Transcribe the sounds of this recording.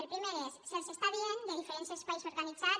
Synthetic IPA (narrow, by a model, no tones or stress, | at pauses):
eɾpɾimeɾesselsest̪aβjend̪eðifeɾensjaespajsoɾɣanit͡sa